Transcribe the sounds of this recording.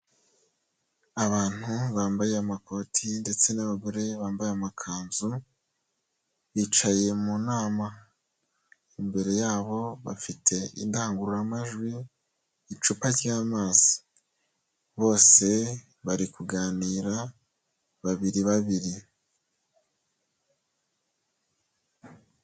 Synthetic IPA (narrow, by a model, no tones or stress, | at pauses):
aβaːn̥huβaːmbajeamako̞ːtʰinde̞t͡se̞naβaɡoɾe̞βaːmbajeamakʰaːnzu | βiːt͡ʃaje̞munaːma | imbe̞ɾe̞jaːβo̞βa̰fitʰe̞ḭndaːŋɡuɾuɾamaʒɡwiː | t͡ʃupaɾjaːmaːzi | βo̞ːse̞ | βaɾikuɡaːniːɾa | βaβiɾiβaβiɾi